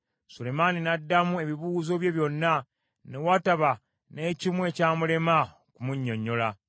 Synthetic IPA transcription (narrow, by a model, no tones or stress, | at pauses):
sule̞maninadːamue̞βiβuːzo̞βje̞βjo̞nːa | newataβa | ne̞ːcimwe̞ːcaːmule̞ma | kumuɲːo̞ɲːo̞la